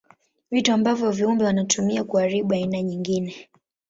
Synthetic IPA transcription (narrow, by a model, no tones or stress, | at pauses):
vituambavjɔviumbɛwanatʰumiakuaɾiɓuainaɲiŋɡinɛ